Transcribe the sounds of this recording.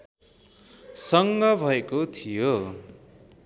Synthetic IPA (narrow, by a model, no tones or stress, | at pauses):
sʌŋɡʌbʱʌekot̪ʰijo